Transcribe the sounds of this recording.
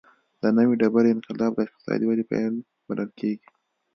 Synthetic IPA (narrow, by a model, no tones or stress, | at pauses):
d̪̥ənəwiɖabaɾɪnqɪlɑbd̪əɪq̚t̪ɪ̥sɑ̰d̪iwalipa̰jl | baləlkeɡi̥